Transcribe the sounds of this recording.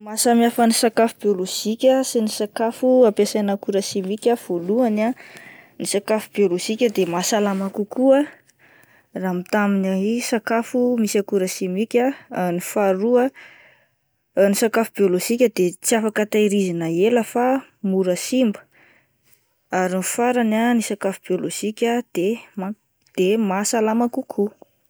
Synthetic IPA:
masəmiafənisakafubjoloʒ̥ikʲəsinisakafuapasanakuɾəsimikʲav̥oluananisakafubioloʒikʲəd̪emasalamakukua | ramit̪aminaisakafumisakuɾəsimikʲanifaɾuə | nisakafubioloʒ̥ikʲəd̪et͡siafakət̪ajɾizinəeləfamuɾəsimbə̥ | aɾinfaɾananisakafub̥ioloʒ̥ikʲəd̪̥ema | d̪̥emasalamakukʰu

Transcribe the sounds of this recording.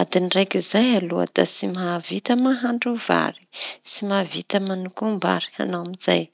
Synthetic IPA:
ad̪inirajkizajalua̰d̪a̰simavit̪əmaɦaɳɖ͡ʐuva̰ɾi̥simavit̪əmanukumba̰ɾi̥a̰nawamizaj

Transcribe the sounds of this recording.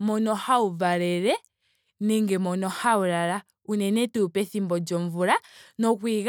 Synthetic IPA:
mɔnɔhauvaɾɛɾɛ | nɛŋɡɛmɔnɔhauɾaɾa | unɛnɛtɛupɛθimbɔd͡ʒɔɱvuɾanɔkwiɣ

